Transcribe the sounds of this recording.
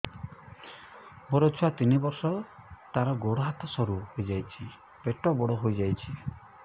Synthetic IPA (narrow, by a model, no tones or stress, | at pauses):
moɾɔt͡ʃʰuat̪inibɔɾsɔt̪aɾɔɡoɽɔɦat̪ʰɔsɔɾuɦojd͡ʒajt͡ʃʰi | peʈɔbɔɽɔɦojd͡ʒajt͡ʃʰi